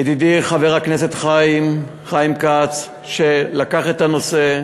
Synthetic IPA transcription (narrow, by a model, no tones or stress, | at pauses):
jed̪id̪iχaveʁaknese̞t̪χaim | χajimkat͡s | ʃelakaχet̪ano̞se̞